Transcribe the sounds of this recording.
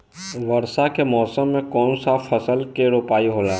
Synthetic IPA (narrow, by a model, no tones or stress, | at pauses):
ʋɐɾsakemɔːsəmːẽkɔːnsafʰɐsəlkeɾoːpaːiɦoːlaː